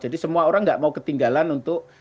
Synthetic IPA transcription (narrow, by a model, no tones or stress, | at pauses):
d͡ʒadisəmuaoɾaŋɡaʔmaukət̪iŋɡalanunt̪ʊk̚